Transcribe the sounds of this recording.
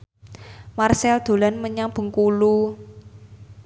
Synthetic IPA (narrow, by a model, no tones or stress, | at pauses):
marsɛld̪̥o̤lanməɲab̥ə̤ŋkulu